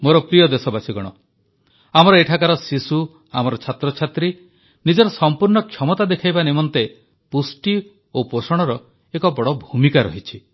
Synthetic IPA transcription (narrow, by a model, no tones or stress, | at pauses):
moɾɔpɾijɔd̪esɔbasiɡɔɽ̃ɔ̰ | amɔɾɔeʈʰakaɾɔsisu | amɔɾɔt͡ʃʰat̪ɾɔt͡ʃʰat̪ɾi | nid͡ʒɔɾɔsɔmpuɾɳɔkʰjɔmɔt̪ad̪ekʰajbanimɔnt̪e | pusʈi | oposɔɽ̃ɔɾɔ | ekɔbɔɽɔbʱumikaɾɔ̰ɦit͡ʃʰi